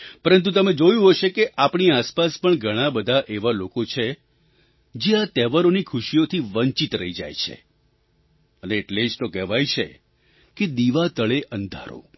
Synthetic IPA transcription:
pəɾənt̪̬ut̪əmed͡ʒojũɦoʃekeʔapɳiaspaspəɳɡʱəɽ̃ãbəd̪ʱaʔeʋalokot͡ʃʰe | d͡ʒeat̪ɛʋaɾonikʰuʃiot̪ʰiʋəɲt͡ʃit̪ɾəɦid͡ʒa̰jt͡ʃʰḛ | əneːʈled͡ʒt̪okɛɦʋajt͡ʃʰḛ | ked̪iʋat̪əɭeʔənd̪ʱa̰ɾo̰

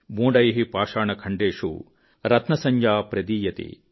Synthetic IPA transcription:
boːɖɐjɦipaːʂaːɳɐkʰɐɳɖeːʂṵ | ɾɐt̪nɐsɐɲjaːpɾɐd̪iːjɐt̪ḭ

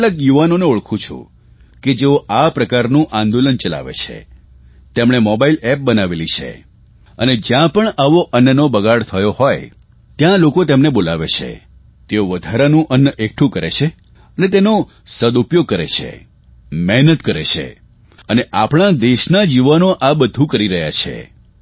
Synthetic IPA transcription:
ləkjuʋanoneuɭkʰũt͡ʃʰṵ̃ | ked͡ʒeoapɾəkaɾnũʔãnd̪olənt͡ʃəla̰ʋḛt͡ʃʰḛ | t̪emɽemɔbailɛp̚bənaʋelit͡ʃʰḛ | əned͡ʒjãpəɳaʋoʔənːənobəɡaɽt̪ʰəjohoj | t̪jãlokot̪emnebolaʋḛt͡ʃʰḛ | t̪eoʋəd̪ʱaɾanũʔənːəʔek̚ʈʰũkəɾḛt͡ʃʰe | ənet̪eno | səd̪upjoɡ̚kəɾḛt͡ʃʰḛ | mɛɦnət̪kəɾḛt͡ʃʰḛ | əneʔapɽ̃ad̪eʃnad͡ʒiʋanoʔabəd̪ʱũkəɾiɾəɦja̰t͡ʃʰḛ

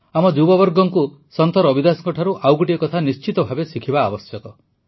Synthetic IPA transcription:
amɔd͡ʒubɔbɔɾɡɔŋku | sɔnt̪ɔɾɔbid̪asɔŋkɔʈʰaɾuʔawɡuʈiɔkɔt̪ʰanist͡ʃit̪ɔbʱabesikʰibaːbɔsjɔkɔ

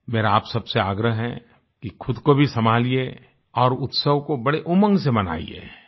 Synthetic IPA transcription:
meːɾaaːpsɐbseaːɡɾəɦɦɛ | kixʰʊd̪kobʱisɐmaːlie | ɔːɾʊt̪səʋkobɐɽeʔʊmə̃ŋɡsemɐna̰ːḭḛː

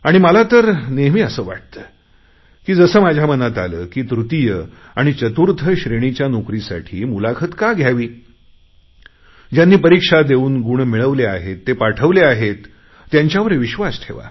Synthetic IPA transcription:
aɽ̃iməlat̪əɾneɦmiːəsəːʋa̰ʈ̚t̪əː | kiːd͡zəsəːmad͡ʑʱjamənat̪a̰ləːkiːt̪ɾut̪ijə | aɽ̃it͡ɕət̪uɾt̪ʰəɕɾeɽ̃it͡ɕjanokɾisa̰ʈʰiːmulakʰət̪kaɡʱjaʋiː | d͡ʑjanːiːpəɾikʂad̪euːnɡuɳmiɭəʋlea̰ɦet̪ːepaʈʰəʋleaɦet̪ː | jaɲt͡ɕjaʋəɾeʋiɕʋasʈʰeʋa̰

